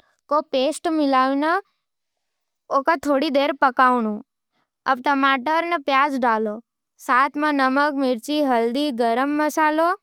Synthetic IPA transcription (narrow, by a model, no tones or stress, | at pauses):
kopeːsʈmɪlaːʋnə | okat̪ʰoːɽid̪eːɾpəkaːwnu | ɐ̰b̚t̪əmaːʈəɾnəpjaːd͡ʒɖaːlo | saːt̪ʰmãnəməkmɪɾt͡ʃiɦɐld̪iɡəɾəmːəsaːlo